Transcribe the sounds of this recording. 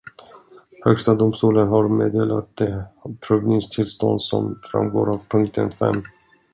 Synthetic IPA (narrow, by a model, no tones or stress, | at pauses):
hœɡst̪ad̪ʊmst̪uːlənɦaɾmeːd̪eːlat̪̚d̪epʰɾɵvnɪŋst̪ʰɪlst̪ɔnd̪sɔmfɾa̰mɡo̰ːɾavpʰɵŋk̚t̪ʰənfɛ̰mː